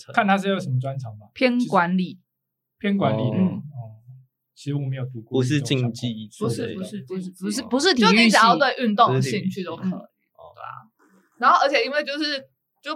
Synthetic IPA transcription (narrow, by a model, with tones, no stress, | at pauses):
kʰa˥˨nt̪ʰa˥ʂ̬̩˥˧jo˨˩ʊʂə˨˦mə˦t͡swa˦nʈ͡ʂʰɑ˨˥ŋbɐ˨˦pʰjɛ˥nkwa˧˦nli˨˩˦ | pʰjɛ˥nkwa˨˦nli˨˩n̩˥˩ə˥˩ | t͡ɕʰi˧˥ʂ̩˧˥wɔ˨˩me˧˦˥jo˨˩t̪u˨˧˥ku˥˨˧ʂ̬ɻ̩˥˨t͡ɕi˥˧˩ŋ˧t͡ɕi˥˨˧u˧˦ʂɻ̩˥˩u˧˦ʂɻ̩˥˩pu˧˦ʂ̩˥˩u˧˦ʂɻ̩˥˩pu˧˦ʂ̬ɻ̩˥˩t̪ʰjo˥˩y˥t͡ɕjjɑ˥˧ʊt̪we˥˧ɪʔy˥˧nt̪o˥˨ɕi˥˧nt͡ɕʰy˥˩t̪o˧˥kʰɤ˨˩˨ḛ˥˩˨ | na˧˦nxo˥ʊə˞˧˥t͡ɕʰjɛ˨˩i˥nwe˥˧ɪt͡ɕjo˥˧ʊʂɻ̩˥˩ | t͡ɕo˥˧